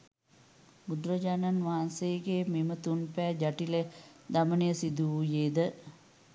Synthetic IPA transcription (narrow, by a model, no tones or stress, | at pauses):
mud̪ɾəd͡ʒaːnanʋaɦansejəɡememət̪unpɛːd͡ʒaʈiled̪amənəjəsid̪uujeːd̪ə